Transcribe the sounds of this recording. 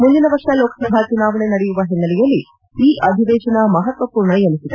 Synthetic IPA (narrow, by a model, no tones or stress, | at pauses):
mund͡ʒ̪inɐʋɐɾʂɐloːkɐsɐbʱat͡ʃunaːʋɐɳenɐɽɛjuʋɐɦinːɐlɛjɐlːi | iːʔɐd̪ʱid̪ɛːʃɐnɐmɐɦɐt̪ʋɐpuːɾɳɐjelisid̪e